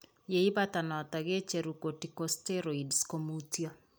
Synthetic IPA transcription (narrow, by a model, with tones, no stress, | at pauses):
je˨i˦bata˨nɔ˨taɡe˦t͡ʃe˨ɾuko˨ti˨kosteɾo˨idskomutjo˦